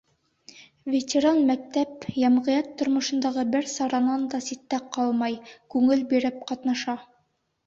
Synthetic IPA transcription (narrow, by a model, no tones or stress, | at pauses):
vʲet̪ʲeɾanmæk̚t̪æpjæmʁɤ̆jɑt̪ːŏɾmŏʃɤ̆nd̪ɑʁɤbɘɾsɑɾɑnɑnd̪ɑsit̪ːæqɑlˠmɑjkʉŋɘlbiɾɘp̚qɑt̪nɑʃɑ